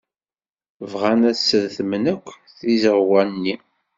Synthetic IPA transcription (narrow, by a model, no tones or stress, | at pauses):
vʁænæsːəðθmənækʷː | θizəʁwænːi